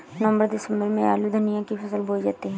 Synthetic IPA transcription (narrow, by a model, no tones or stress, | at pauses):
nɐmbəɾd̪ɪsə̃mbəɾmẽa̰ːlud̪ʱənijãkipʰɐsəlboːld͡ʒaːt̪iɦɛ̃